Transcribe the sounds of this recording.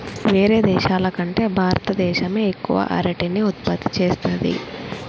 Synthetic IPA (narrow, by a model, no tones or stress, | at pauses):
ʋeːɾe̞ːd̪ɛːʃaːlɐkɐɳʈe̞ːbʱaːɾɐt̪ɐd̪ɛːʃɐme̞ːkːuʋɐ̰ʔɐ̰ɾɐʈiniut̪̚pɐt̪ːi̥t͡ʃeːst̪ɐd̪ḭ